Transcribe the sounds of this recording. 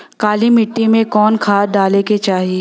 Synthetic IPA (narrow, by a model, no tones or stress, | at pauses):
kaːlimɪʈːimẽkɔːnkʰaːɖaːleket͡ʃaːɦie